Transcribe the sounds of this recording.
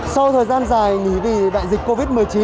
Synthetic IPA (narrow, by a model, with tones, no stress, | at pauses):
sa˧wt̪ʰəː˨˩jzaː˧nzaː˨˩jŋi˨˩˦vi˨˩ɓa̰ː˧˨jzi˨˩k̟̚ko˧vi˦˥t̚mɨ˨˩əjt͡ɕi˨˦